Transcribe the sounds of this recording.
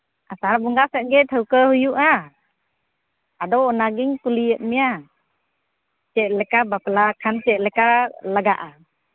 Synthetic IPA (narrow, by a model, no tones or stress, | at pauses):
ʔasaɾbɔŋɡasɛʔ̚ɡɛt̪ʰəwkəhujuʔa | adɔwɔnaɡiŋkuliət̚mija | t͡ʃɛʔ̚lɛkabaplakʰant͡ʃɛʔ̚lɛkalaɡaʔa